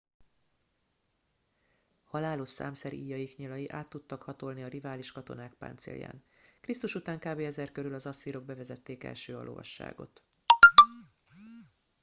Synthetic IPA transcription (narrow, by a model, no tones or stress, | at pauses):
hɒlaːloʃsa̰ːmsɛɾiːjɒjikɲilɒjiʔaːt̪ːut̪ːɒkhɒt̪o̞lniɒrivaːliʃkɒt̪o̞naːk̚pa̰ːnt̪sḛːlja̰ːn | krist̪uʃut̪aːŋkaːbeːɛzɛrkø̞ɾylɒzɒsːiɾo̞ɡ̚bɛvɛzɛt̪ːeːkɛ̰lʃøːɒ̰lʔo̰vɒ̰ʃːa̰ːɡo̞̰t̪